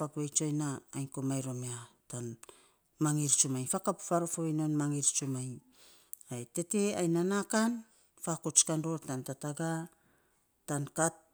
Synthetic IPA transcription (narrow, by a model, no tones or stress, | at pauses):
akuejt͡ʃojnaːjnkomajɾo̞meatan | maŋiɾt͡ʃumajfakapfaɾofoinonmaŋiɾt͡ʃumaj | ajte̞te̞ajnanakan | fakot͡ʃkando̞ɾtantataɡa | tankat̚